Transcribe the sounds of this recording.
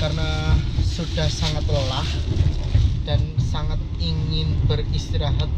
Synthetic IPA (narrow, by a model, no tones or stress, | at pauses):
karnasud̥ahsaŋat̪ləlah | d̥ansaŋat̪̚iŋɪnb̥ərist̪iɾaɦat̪̚